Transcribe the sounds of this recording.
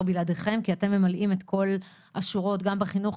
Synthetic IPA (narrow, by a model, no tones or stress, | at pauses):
biladeχe̞mkiate̞mːe̞malʔimetko̞l | aʃuʁo̞tɡambeχinuχ